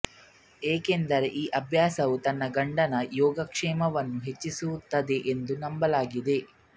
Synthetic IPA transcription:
eːke̞nd̪ɐɾeʔiːʔɐbʱjaːsɐʋut̪ɐnːɐɡɐɳɖɐnɐjɔːɡɐkʂɛːmɐʋɐnːuɦe̞t͡ʃːisuwut̪ːɐd̪e̞ʔend̪unɐmbɐlaːɡid̪e̞

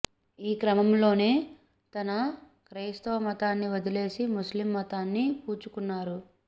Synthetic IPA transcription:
iːkɾɐmɐmlo̞ːne̞ː | t̪ɐnɐ | kɾeːst̪ɐʋɐmɐt̪aːnːiʋɐd̪ile̞ːsimuslimːɐt̪aːnːipuːt͡ʃukunːaːɾu

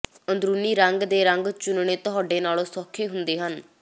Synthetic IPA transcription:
ənd̪ɾuːniːɾəŋɡd̪eːɾəŋɡt͡ʃʊnɳ̃eːt̪ʊɦaːɖeːnaːlõːsɔːkʰːeːɦʊnd̪eːɦən

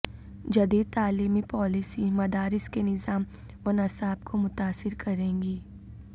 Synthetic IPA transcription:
d͡ʒɐd̪iːd̪̚t̪aːliːmipɔːlɪsimɐd̪aːɾɪskenɪzaːm | ɔnɐsaːbkʰomʊt̪aːsɪɾkʰɐɾẽːŋɡiː

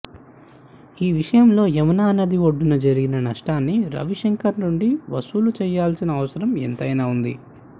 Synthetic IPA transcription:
iːʋiʂɐjɐmlo̞ːemɐnaːnɐd̪iʋoɖːunɐd͡ʒɐɾiɡinɐnɐʂʈaːnːiɾɐ̰ʋiʂeŋkɐɾnuɳɖiʋɐsuːlut͡ʃɛːjaːlsinɐːʋɐsɐɾɐmḛnt̪ɐjnaːund̪ḭ

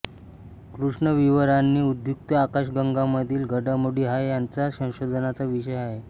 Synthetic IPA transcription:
kɾuʂɳəʋiʋəɾanːiːud̪ʱjuk̚t̪əakaɕɡəŋɡamːəd̪ʱiːlɡʱəɖamoɽiːɦajjant͡sasə̃w̃ɕod̪ʱənat͡saʋiɕəjaɦe

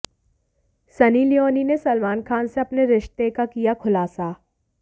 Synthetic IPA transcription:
sɐnilijoːninesɐlmaːnkʰaːnseɐpneɾɪʃt̪ekakijakʰʊlaːsa

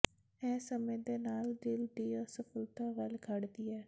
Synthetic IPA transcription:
ɛːsəmẽːd̪eːnaːld̪ɪld̪iːɔːsəpʰəlt̪aːʋəlkʰəɽd̪iːɛː

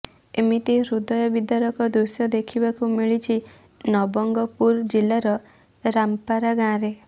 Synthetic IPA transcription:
emit̪iɾud̪ɔjɔbid̪aɾɔkɔd̪ɾusjɔd̪ekʰibakumiɭit͡ʃʰi | nɔbɔŋɡɔpuɾd͡ʒilaɾɔ | ɾampaɾaɡãɾe

